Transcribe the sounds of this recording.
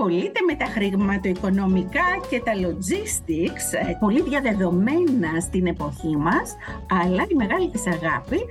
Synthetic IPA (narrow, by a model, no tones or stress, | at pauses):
xo̞lit̪e̞me̞t̪ɐxɾiɣmɐt̪ɐiko̞no̞mikɐce̞t̪ɐlo̞zist̪ikspo̞liðʝɐðe̞ðo̞me̞nɐst̪ine̞po̞çimɐsɐlɐt̪ime̞ɣɐlit̪isɐɣɐpi